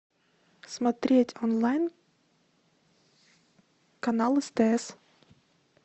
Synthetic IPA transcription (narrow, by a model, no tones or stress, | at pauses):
smat̪ʲɾʲiɛtʲɔnlˠajn | kanalˠɨst̪ɛɛs